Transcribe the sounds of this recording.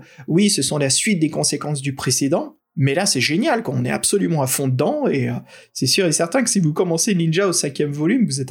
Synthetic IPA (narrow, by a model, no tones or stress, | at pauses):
wisəsɔ̃lasɥit̪̚d̪ekɔ̃sekɑ̃s̬d̪ypχesed̪ɑ̃ | mɛlasɛʒenjalkwaɔ̃nɛ̰a̰bsɔlymɑ̃afɔ̃d̪əd̪ɑ̃eø | sɛsyʁesɛʁt̪ɛ̃kə̥sivukɔmɑ̃selinʒaosɛ̃kʲjɛmvɔlymvuzɛt̪